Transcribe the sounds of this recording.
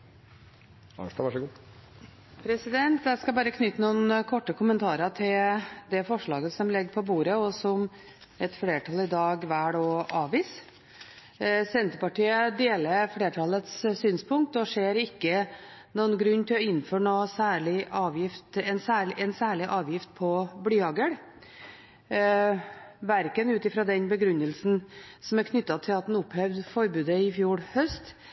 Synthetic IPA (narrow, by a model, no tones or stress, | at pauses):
ɑ̰nʂt̪ɑʋɑʂɔɡu | pʰɾɛsɪd̪ɛnt̪jæɪskɑbɑːɾəkʰnʏt̪ːənuːnkʰɔʈːəkʰʊmənt̪ʰɑːɾəʈʰɪld̪ɛfɔʂɭɑːɡəsɔmlɛɡːəpʰɔbuːɾəɔsɔm | ɛt̪fleːʈʰɑlɪd̪ɑːɡʋæːɽoːʔɑːʋiːs | sɛnt̪ɾpɑʈiːəd̪eːləɾfɽeːʈʰɑlːət̪ssyːnspʰʊŋk̚t̪ɔʂeːɾɪkːənuːənɡɾʉnːt̪ʰɪlɔɪnːføːɳoːsæːɭɪʔɑːʋjɪft̪ɛnsæːɭɛnsæːɭɪʔɑːʋjɪft̪̚pʰɔblyːɑɡəɽ | ʋæɾkənʉːt̪ɪfɾɑd̪ɛnbəɡɾʉnːəlsn̩sɔmæɾkʰnʏt̪ːɑt̪ʰɪlɑt̪d̪nʊphœʋd̪fɔɾbʉːd̪əɪfjuːɽhœst̪